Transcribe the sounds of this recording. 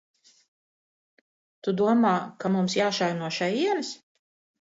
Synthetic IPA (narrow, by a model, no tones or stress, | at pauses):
t̪ud̪uɔmaːkamumsjaːʃajnuɔʃɛjiɛlis